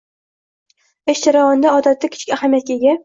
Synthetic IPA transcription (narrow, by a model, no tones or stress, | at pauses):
eʃd͡ʒaɾavɒnd̪aɒd̪at̪ːakʲʰɪ̥t͡ʃʰɪ̥kʲahamjat̪̚kʲeɡʲa